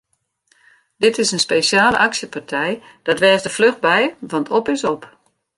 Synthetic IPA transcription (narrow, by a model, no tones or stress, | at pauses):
d̥ɪtɪsənspeːsjaːlə̰ʔaksjəpartʰɛj | d̥ɔtʋɛːzdəfløxt̚bɛjʋɑntʰɔpɪsop